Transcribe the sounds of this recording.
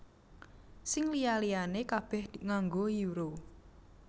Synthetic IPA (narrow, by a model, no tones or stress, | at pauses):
sɪŋlijalijanekab̥ɛ̤hd̪̥iŋaŋɡojuɾo